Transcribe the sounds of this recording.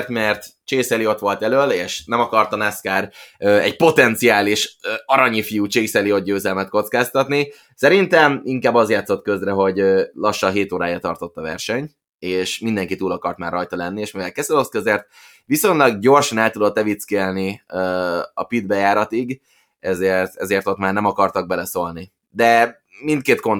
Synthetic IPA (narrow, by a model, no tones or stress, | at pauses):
rt̪mɛrt̪t͡ʃeːsɛlio̞t̪ʋo̞lt̪ɛløːleːʃnɛmɒkɒrt̪ɒnɛskaːɾøːɛ̰ɟpo̞t̪ɛnt̪siaːliʃøɒɾɒɲifijuːt͡ʃeːsɛlio̞d̪̚ɟøːzɛlmɛt̪̚ko̞t̪skaːst̪ɒt̪ni | sɛɾint̪ɛmiŋkaːbːɒzjaːt̪so̞t̪kø̞zrɛɦo̞ɟøːlɒʃːɒɦeːt̪oːɾaːjɛt̪ɒrt̪o̞t̪ːɒvɛ̰rʃɛɲ | eːʃmind̪ɛŋkit̪uːlɒkɒrt̪maːrːɒjt̪ɒlɛnːieːʃmivɛlkɛzɛloskøzert̪̚ | ʋiso̞ɲlɒɡɟo̞rʃɒnɛlt̪ud̪ot̪ːɛvit̪skelniøːɒ̰pid̪bɛjaːɾɒt̪iɡ | ɛzeːrt̪ɛzeːrt̪o̞t̪maːrnɛmɒkɒrt̪ɒɡ̚bɛlɛso̞lni | d̪ɛ | mint̪keːt̪ko̞n